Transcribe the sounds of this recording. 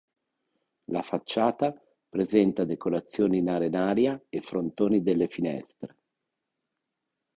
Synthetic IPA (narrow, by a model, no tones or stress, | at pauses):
lafat͡ʃːaːt̪a | pɾezɛnt̪ad̪ekoɾat̪sːjoːniːnaɾenaːɾjaefɾont̪oːnid̪elːefinɛ̰st̪ɾe